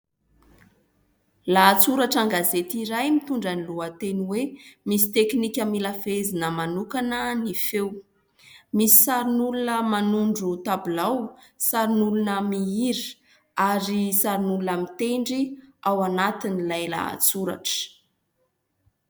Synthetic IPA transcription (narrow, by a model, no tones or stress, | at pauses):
laːt͡suɾaʈ͡ʂaŋɡazet̪iɾajmit̪uɳɖ͡ʐəniluət̪eniwemisi̥t̪eknikʲəmilafezinəmanukanənifew | misi̥saɾinulunəmanuɳɖ͡ʐut̪abilaw | saɾinulunəmiiɾi | aɾisaɾinulunəmit̪eɳɖ͡ʐiawanat̪inilajla̰a̰t͡suɾa̰ʈ͡ʂə̥